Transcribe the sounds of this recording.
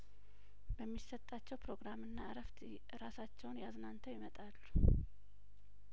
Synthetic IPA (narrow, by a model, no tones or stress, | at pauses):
bəmːisːət̪ʼːat͡ʃːɛwpɾo̞ɡɾamɨnːaɨɾəft̪ | ɾasat͡ʃːɛwnjaznant̪ʰəwjɪmət̪ʼalːu